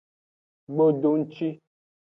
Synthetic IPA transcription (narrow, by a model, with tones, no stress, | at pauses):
ɡ͡bo˦do˨˦n̩˦t͡ʃi˦